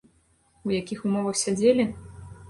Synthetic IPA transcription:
wjakʲixumɔvɐxsʲad͡zʲelʲi

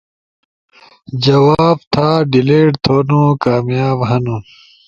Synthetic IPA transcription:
d͡ʑɐwaːbt̪ʰaːɖileːʈt̪ʰoːnũkaːmjaːbɦɐnũ

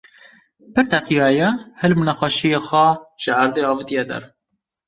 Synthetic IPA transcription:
pɨɾt̪ɛqijɑːjɛhɛlmunɑxɑʃijexʷæʒ̥ɨaɾd̪eːɑːvɨt̪ijɛd̪ɛ̰ɾ

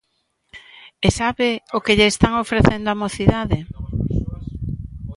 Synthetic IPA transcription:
esaβeokeʎeːst̪aŋofɾeθend̪oamoθiðaðɪ

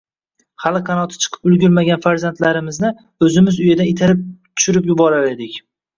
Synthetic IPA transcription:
χalɪqʰɑnɒt̪ʰɪ̥t͡ʃʰɨ̥qʰɨ̥pʊlɡʲʊɾmaɡʲanfaɾzant̪laɾɪmɪznɪ | ɵzɪmɪzʊjad̪anet̪ʰaɾɪp̚t̪ʰʊ̥ʃʊɾɪpjʊbɒɾaɾed̪ɪkʲ

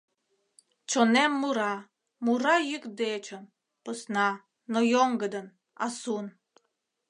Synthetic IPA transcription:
t͡ɕonemːuɾɑ | muɾɑjykd̪et͡ɕən | pəsnɑ | nojoŋɡə̆d̪ə̆n | ɑ̰sun

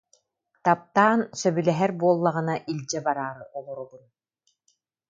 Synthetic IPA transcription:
t̪ap̚t̪aːnsœbylɛɦɛɾbuɔlˠːaʁɯnaʔilʲd͡ʑɛbaɾaːɾɯɔlˠɔɾubun

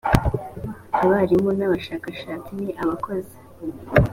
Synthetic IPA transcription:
aβaɾimonaβaʃaːkaʃaːt͡siniʔaβako̞zi̥

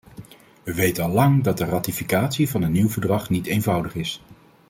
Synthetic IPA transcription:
ʋəʋejtəɑlɑŋdɑt̚dəraːtifikaːtsivɑnɦənːiwvəɹdrɑχnitejnvʌwdəχɪs

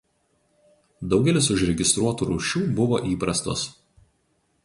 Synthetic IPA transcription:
d̪ɒʊɡʲɛlʲɪsʊʒɾʲɛɡʲɪst̪ɾuɔt̪uːɾuːʃʲuːbʊʋoːʔiːpɾɐst̪o̰s

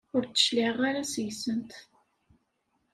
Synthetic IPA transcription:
ʊɾt͡sːə̥ʃlɪʁaɾasjsənt̪

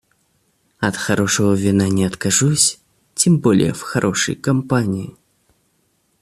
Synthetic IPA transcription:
ɐt̪xaɾɔʂɐɣɐvʲinanʲɛɐt̪kaʐusʲ | t͡sʲimbɔlʲɪ̰jɛ̰wxaɾʔɔʂɐ̰jkampanʲiji

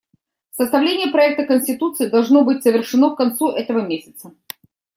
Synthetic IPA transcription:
səst̪ɐvlʲenʲɪjəpɾɐɛk̚t̪əkənʲsʲtʲɪt̪ut̪sɨːd̪ɐlˠʐno̞bɨtʲsəvʲɪrʂɨnokkɐnt̪suʔɛt̪əvəmʲesʲə̥t̪sə

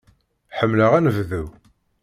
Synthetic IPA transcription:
ħəmːləʁænəvðuw

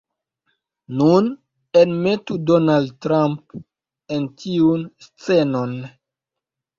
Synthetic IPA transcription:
nun | enmetudonaldtɾamp | entʰiunst͡senon

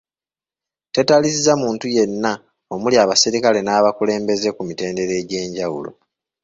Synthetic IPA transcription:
te̞talisizamuːntuje̞nːa | o̞muliaːβasiɾikale̞naːβakule̞ːmbe̞ze̞kumite̞ːnde̞ɾe̞ːɟe̞ːɲɟawṵlo̞̰

